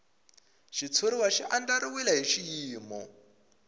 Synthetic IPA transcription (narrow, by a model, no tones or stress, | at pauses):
ʃit͡sʰuɾiwaʃiʔandaɾiwilaɦiʃijiːmɔ̰